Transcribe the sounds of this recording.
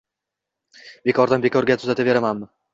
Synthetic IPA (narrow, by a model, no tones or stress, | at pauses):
be̞kʰɒɾd̪anbe̞kʰɒɾɡʲat̪ʰʊzat̪ave̞ɾamanmɪ